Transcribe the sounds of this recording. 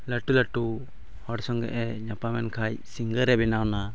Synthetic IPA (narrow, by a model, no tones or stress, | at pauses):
laʈulaʈu | hɔɽsɔŋɡɛ̰ʔɛɲapamɛnkʰajsiŋɡəɾɛbɛnawna